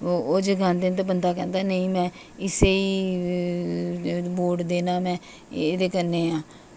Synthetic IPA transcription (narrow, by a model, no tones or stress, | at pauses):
oːd͡ʒəɡãːnd̪ent̪̬ebənd̪aːkɛ̃ːnd̪aːnəĩːmɛ̃ː | ɪseːiː | boːʈd̪eːnaːmɛ̃ː | eːd̪eːkənːeːãː